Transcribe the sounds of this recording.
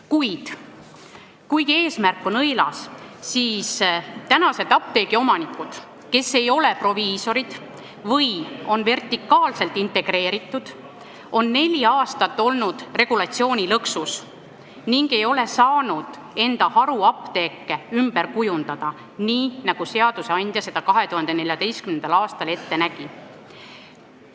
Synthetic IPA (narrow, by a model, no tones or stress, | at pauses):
kujd̪̥ | kujɡe̞ːsmærkːˑo̞nɤjlɑ̰ssiːst̪ænɑse̞d̪ɑp̚t̪e̞ːɡ̥io̞mɑnikːˑud̪̥ | ke̞se̞jo̞le̞pro̞viːso̞ɾid̪̥ | vɤjo̞nve̞rt̪ˑikːɑːlse̞lt̪ːˑint̪e̞ɡ̥re̞ːɾit̪ːˑud̪̥ | o̞nːe̞lʲiɑːst̪ɑt̪ːo̞lnud̪̥re̞ɡ̥ulɑt̪sio̞ːnʲilɤksus | niŋɡe̞jo̞le̞sɑːnud̪̥ | e̞nd̪̥ɑhɑɾuɑpt̪e̞ːkːeymbe̞ɾkujund̪̥ɑd̪̥ɑ | niːnɑɡ̥use̞ɑd̪̥use̞ɑnʲd̪jɑse̞d̪̥ɑkɑɦe̞t̪uhɑnd̪ene̞lʲjɑd̪e̞jskymnend̪ɑlɑːst̪ɑle̞t̪ːe̞næɡ̥i